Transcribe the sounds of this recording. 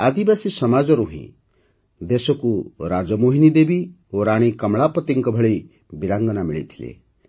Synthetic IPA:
ad̪ibasisɔmad͡ʒɔɾuɦḭ̃ | d̪esɔkuɾad͡ʒɔmoɦinid̪ebi | oɾaɽ̃ikɔmɭapɔt̪iŋkɔbʱɔɭej | biɾaŋɡɔnamiɭḭt̪ʰi̥lḛ

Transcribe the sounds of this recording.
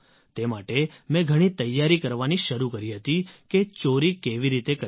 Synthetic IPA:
t̪emaʈemɛ̃ɡʱəɽ̃it̪əjːaɾikəɾʋaniʃəɾukəɾiɦət̪iket͡ʃoɾikeʋiɾit̪ekə

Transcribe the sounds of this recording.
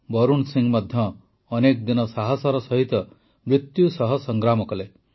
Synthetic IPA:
bɔɾunsiŋmad̪ʱjɔː | nekd̪inɔsaɦɔsɔɾɔsɔɦit̪ɔ | mɾit̪jusɔɦɔsɔŋɡɾamɔkɔle

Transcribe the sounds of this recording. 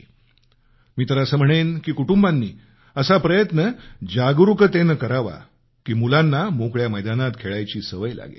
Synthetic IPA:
miːt̪əɾaəsəm̤əɽ̃enkiːkuʈumbanːiː | əsapɾəjət̪nəd͡ʑaɡɾukət̪enəkəɾaʋa̰ | kiːmulanːamokɭjaməjd̪anat̪kʰeɭajt͡ɕiːsəʋəjla̰ɡḛ

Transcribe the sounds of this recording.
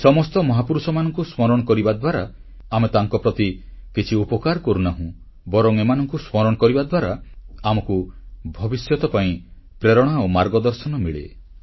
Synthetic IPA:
sɔmɔst̪ɔmɔɦapuɾusɔmanɔŋkusmɔɾɔɽ̃ɔkɔɾibad̪ʱwaɾa | amet̪aŋkɔpɾɔt̪ikit͡ʃʰiupɔkaɾkɔɾunaɦũ | bɔɾɔŋemanɔŋkusmɔɾɔɽ̃ɔkɔɾibad̪ʱwaɾaamɔkubʱɔbisjɔt̪ɔpaĩ | pɾeɾɔɽ̃aomaɾɡɔd̪ɔɾsɔnɔmiɭḛ

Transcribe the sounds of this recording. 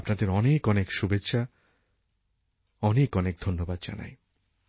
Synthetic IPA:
pnad̪eɾɔnekɔnekʃubetːɕʰa | ɔnekɔnek̚d̪ʱonːobad̪̚d͡ʑa̰na̰j

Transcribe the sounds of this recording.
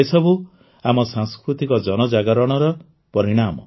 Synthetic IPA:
esɔbu | amɔsãŋskɾut̪ikɔd͡ʒɔnɔd͡ʒaɡaɾɔɽ̃ɔɾɔ | pɔɾiɽ̃amɔ̰

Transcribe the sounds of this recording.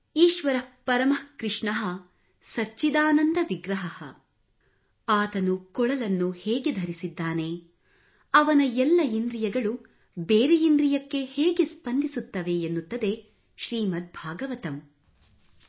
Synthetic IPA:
iːʃʋɐɾɐpɐɾɐmɐkɾɪʂɳɐɦɐ | sɐt͡ʃid̪aːnɐnd̪ɐʋiɡɾɐɦɐhɐ̰ | aːt̪ɐnukɔɭɐlɐnːuhɛːɡed̪ʱɐɾisid̪ːaːne̞ | ɐʋɐnɐɛlːɐind̪ɾijɐɡɐɭu | beːɾeind̪ɾijɐkːe̞heːɡespɐnd̪ʱisut̪ːɐʋe̞ːnːut̪ːɐd̪e̞ | ʃɾiːmɐt̪̚bʱaːɡɐʋɐt̪ɐm

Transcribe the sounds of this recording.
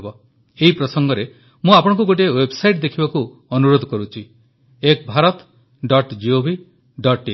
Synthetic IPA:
bɔ | eɦipɾɔsɔŋɡɔɾe | mũapɔɽ̃ɔ̃k̬uɡoʈ̬iewebsajʈd̪ekʰibaku | ɔnuɾod̪ʱɔkɔɾut͡ʃʰi | ek̚bʱaɾɔt̪ | ɖɔʈd͡ʒiobʱi | ɖɔʈe

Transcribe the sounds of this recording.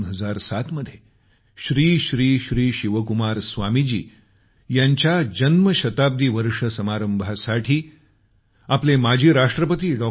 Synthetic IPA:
nɦəd͡zaɾsat̪məd̪ʱje | ɕɾiːɕɾiːɕɾiːɕiʋəkumaɾsʋamid͡ʑḭː | jaɲt͡ɕjad͡ʑənməɕət̪ab̚d̪ʱiːʋəɾʂəsəmaɾəmbʱasaʈʰiː | aplemad͡ʑʱiːɾaʂʈɾəpət̪iːɖɔ

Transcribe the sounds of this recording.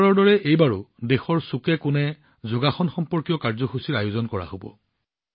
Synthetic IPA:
ɹɔɹdɔɹɛʔejbaɹʊdexɔɹsukɛkʊnɛ | zoɡaxɔnxɔmpɔɹkijɔkaɹzɔxusiɹajʊzɔnkɔɹa̰hobɔ̰

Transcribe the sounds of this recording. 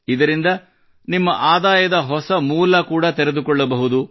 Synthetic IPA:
id̪ɐɾind̪ɐ | nimːɐʔaːd̪aːjɐd̪ɐɦɔsɐmuːlɐkuːɽɐt̪ɛɾed̪ukɔɭːɐbɐɦud̪u

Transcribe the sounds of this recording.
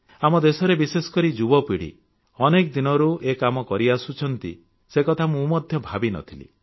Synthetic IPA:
amɔd̪esɔɾebisesɔ̥kɔɾid͡ʒubɔpiɽḭ | ɔnekɔd̪inɔɾuekamɔkɔɾiasut͡ʃʰɔnt̪ḭ | sekɔt̪ʰamũmɔd̪ʱjɔbʱabinɔ̰t̪ʰilḭ

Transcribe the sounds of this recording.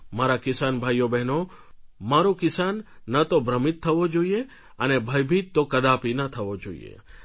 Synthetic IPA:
maɾakɪsanbʱajːobɛɦno | maɾũkɪsanːət̪obɾəmɪt̪ʰːəʋod͡ʒoie | ənebʱəjbʱit̪ːokəd̪apinət̪ʰəʋod͡ʒoḭḛ

